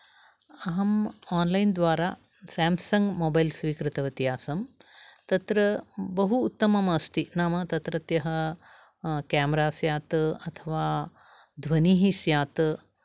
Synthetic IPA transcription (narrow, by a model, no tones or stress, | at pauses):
ɐɦɐmaːnlɐjnd̪ʋaːɾaː | saːmsɐŋɡmoːbɐjlsʋiːkɾɪt̪ɐʋɐt̪iɦaːsɐmt̪ɐt̪ɾɐbɐɦuːt̪ːɐmɐmɐst̪inaːmɐt̪ɐt̪ɾɐt̪jɐɦɐ | kaːmɐɾaːsjaːt̪ɐt̪ʰɐʋaː | d̪ʱʋɐniːɦisjaːt̪